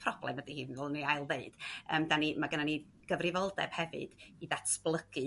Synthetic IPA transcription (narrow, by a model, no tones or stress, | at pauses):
pʰrɔblˠɛ̰mədihɨːvɔlˠniajlˠðeɨd̥əːmdanimaɡənani | ɡ̥əvrɪvɔlˠdɛ̰b̥hɛvɨ̰d̥iðatʰb̥lˠəɡ̥ɨ